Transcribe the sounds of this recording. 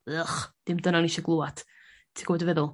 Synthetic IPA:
əχd̥ɪmdənaniʃɔɡlˠuːad̥ | tʰiɡ̥ɔwdəvɛðʊlˠ

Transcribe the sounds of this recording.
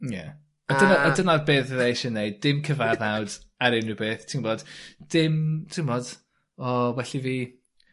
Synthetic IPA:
jɛ̰ | ɔdənaɔdənarbeːθðejʃɛnːejddɪmkʰəvaðawd̥aɾɪnɨbeːθtʰimboːd̥d̥ɪmtʰimbɔːd̥ | ɔwɛɬiviː

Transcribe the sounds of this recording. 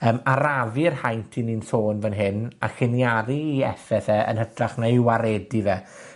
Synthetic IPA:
əːmaɾavɨrhajntʰininsoːnvənɦɪna̰χɪnjaɾiːɛfɛθɛə̰nhəd̥raχnaiwaɾɛdiðɛ

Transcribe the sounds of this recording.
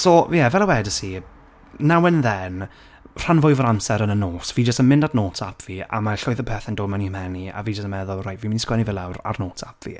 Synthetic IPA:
sɔjɛvɛlˠawɛdəsi | nawənðɛn | r̥anvʊɨvəɾamsɛɾənənoːsv̥iːd͡ʒəstənmɪ̃ndadnoːtʰapʰvia̰maɬɔɨðəpʰɛθɛndoːdmanihmɛnia̰viːd͡ʒəstəmɛðʊlˠrajtviːmɪniskwɛnivɪlˠawra̰rnoːtʰapʰv̥ḭ

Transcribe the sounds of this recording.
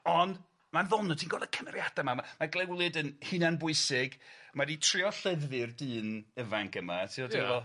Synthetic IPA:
ɔnd | manðɔlˠnɔtʰiːnɡɔdəkʰəmɛrjad̥amamamaɡlˠɛwlˠɨdənhɨnanbʊɨsɪɡmaditʰr̥ɪɔɬɛðvɨrdɨːnəvaŋkəma̰tʰiodivɔ

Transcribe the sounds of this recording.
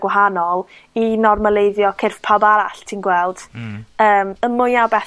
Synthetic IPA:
ɡwaɦanɔlˠinɔrməlˠejðjɔkʰɪrfpʰabaɾaɬtʰinɡwɛlˠd̥əːməmːʊjabɛ

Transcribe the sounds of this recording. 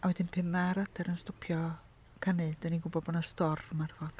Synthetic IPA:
awɛdɪnpʰɪmaɾadʰɛɾənstɔpʰjɔ | kʰaned̥aniɡʊbɔbɔnɔstɔrmarvɔd̥

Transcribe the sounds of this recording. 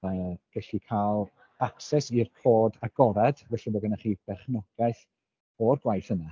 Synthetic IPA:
əv̥ɛɬikʰalˠ | aksɛsirkʰoːdaɡɔvɛd̥vɛɬɛbɔɡənaχiːb̥ɛχnɔɡ̥ɛθ | ɔrɡwajθəna

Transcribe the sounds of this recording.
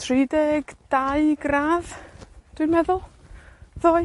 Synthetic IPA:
tʰridɛɡ̥d̥aɨɡraːv̥d̥wijnmɛðʊlˠ | ðoːj

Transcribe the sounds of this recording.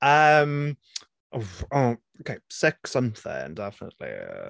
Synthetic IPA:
ʔʌ̃m | ʔoo | okʰeɪsɪksʌ̃mθɪ̰̃ŋndɛfənə̰ʔˡlḭ

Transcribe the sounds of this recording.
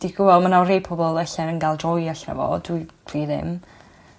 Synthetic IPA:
d̥iɡʊvɔmanawrejpʰɔbɔlˠəɬɛnənɡalˠdrɔjaɬnɛ̰vɔ̰dwitʰwiːðɪ̰m

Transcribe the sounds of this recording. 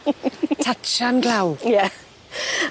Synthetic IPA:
tʰatt͡ʃanɡlawjɛ

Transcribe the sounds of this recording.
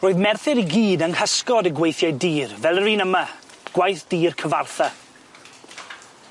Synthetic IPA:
roːɨðmɛrθɪɾiɡiːdəŋhəskɔdəɡwejθjajdiːrvɛlˠəriːnəma | ɡ̥wajθd̥iːrkʰəva̰rθa

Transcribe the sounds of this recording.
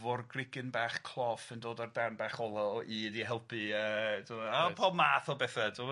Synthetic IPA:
vɔrɡrɪɡɪnbaːχkʰlˠɔfəndoːdardanbaχɔlˠɔidiɦɛlˠpʰɨəːduapʰɔmaːθɔbɛθadʊ

